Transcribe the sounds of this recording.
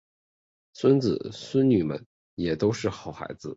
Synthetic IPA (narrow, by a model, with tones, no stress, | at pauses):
swə˥nt͡sɹ̩˨˩swə˥nny˨˩mə̰˧˥n | jɛ˨˩t̪o˥ʊʂɻ̩˥˩xɑ˨˩ʊxa̰˧˥ɪd͡zɹ̩˧